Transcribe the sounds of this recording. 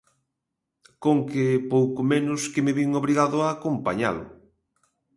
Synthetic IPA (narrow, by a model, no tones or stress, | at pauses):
koŋkepowkomenʊskɪmɪβiŋoβɾiɣaðʊaːkompa̰ɲa̰lʊ̰